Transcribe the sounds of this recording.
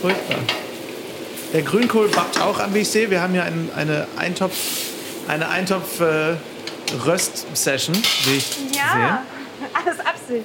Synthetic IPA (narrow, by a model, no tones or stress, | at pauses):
fʊɐçt̚b̥a̰ː | d̥eːɐɡʁyːnkʰoːlbap̚ta̰ʊxa̰mveːɪçt͡seːviːɐhaːbm̩hiːɐʔaɪnʔa̰ɪnəʔa̰ɪntʰɔf | ʔaɪnəʔa̰ɪntʰɔpfɛː | ʁœstsɛʃn̩vɪɪçːzeːən | ʔaləsʔapz̥ɪ